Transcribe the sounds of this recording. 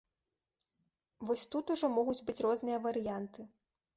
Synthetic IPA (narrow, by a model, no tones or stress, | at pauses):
vɔsʲt̪ut̪uʐɔmɔɣud͡zʲbɨt͡sʲrɔznɨjɐvɐɾɨjant̪ɨ